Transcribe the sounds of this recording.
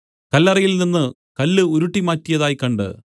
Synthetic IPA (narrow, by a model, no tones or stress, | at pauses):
kɐlːɐrɐjilninːɨ | kɐlːɨuɾuʈːimaːtːijɐðaːjkɐɳɖɨ̰